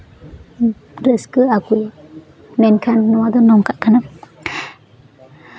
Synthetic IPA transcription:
ɾeskɯakuj | menkʰanːɔwad̪ɔnɔŋkʰaʔkʰana

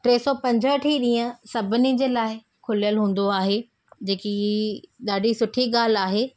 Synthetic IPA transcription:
ʈɾeːsɔːpɐ̃ɲd͡ʑʱəʈʰiɗiːãsɐbʱɪnid͡ʑeːlaːɪ | kʰʊlijəlɦũːn̆d̪oaːɦeː | d͡ʑeːkiɗaːɖʱisʊʈʰiɠaːl̤aːɦeː

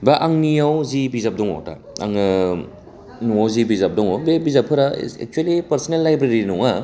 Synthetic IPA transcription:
baʔaŋnijawzibizap̚dɔŋɔ̰ta̰ | a̰ŋɯ | nuawzibizap̚dɔŋɔbebizapʰɯɾa̰ḛk̚t͡ʃuelipɐɾsɔnelːajbɾeɾinɔŋa

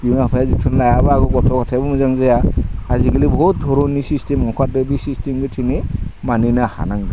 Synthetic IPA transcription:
juŋapʰajazitʰɯnlajabaaɡʰɔɡɔtʰɔkɔtʰajbɯmɯzaŋzajaaziɡilibɔt̚dʱɔɾɔnisistʰemɔkʰat̚ɯbisistʰemɡɯtʰiŋemaninaha̰naŋɡa

